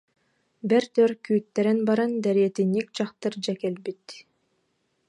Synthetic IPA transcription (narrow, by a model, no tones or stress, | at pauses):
bɛɾt̪øɾkyːt̪ːɛɾɛnbɑɾɑnd̪æɾiet̪inːik̚t͡ɕɑqt̪ɯɾd͡ʒɛkelbit̪